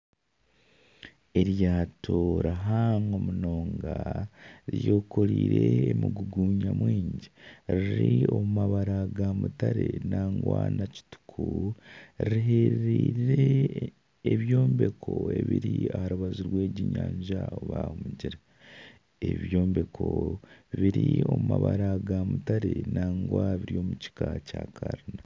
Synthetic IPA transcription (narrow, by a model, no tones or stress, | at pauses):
e̞ɾjaːtʰoɾaɦaŋomuno̞ːŋɡa | ɾjoːkoɾiːɾe̞ːmuɡuɡuːɲamwiːɲɟiɾiɾio̞mumaβaɾaɡamutaɾe̞naːŋɡwa̰ːnaci̥tu̥kʰu | ɾiɾiɦeɾɾiːɾiɾeː | βjo̞ːmbe̞kʰo̞e̞βiɾiahaɾuβazuɾwe̞ːɟiɲaːɲʒaoβaːhumuɟiɾa | eβjo̞ːmbe̞kʰoβiɾio̞mumaβaɾaɡamutaɾe̞naːŋɡwaβiɾio̞ːmuci̥kacakʰaɾina